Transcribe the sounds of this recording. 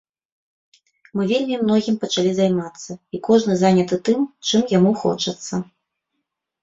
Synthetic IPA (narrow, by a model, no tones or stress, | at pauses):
mɨvʲelʲmʲimnɔɣʲimpɐt͡ʂalʲizajmat̪sːɐikɔʐnɨzanʲɐt̪ɨt̪ɨmt͡ʂɨmjamuxɔ̰t͡ʂɐt̪sːɐ